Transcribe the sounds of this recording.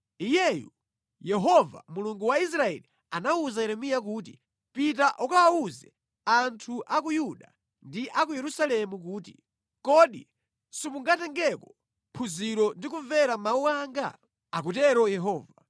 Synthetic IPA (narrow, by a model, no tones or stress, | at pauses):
ijɛjṵ | jɛɦɔva̰muluŋɡuwais̬ɾaɛ̰li | anauzajɛɾɛmijak̬uːt̬i | pitaʔɔkaauzɛ | antʰuʔak̬ujuɗa | ndiʔakujɛɾusalɛmukuːti | kɔɗḭ | sipuŋɡatɛŋɡɛkɔ̥ | pʰuziɾɔndikuvɛɾamauaːŋɡa̰ | ak̬utɛɾɔjɛɦɔːva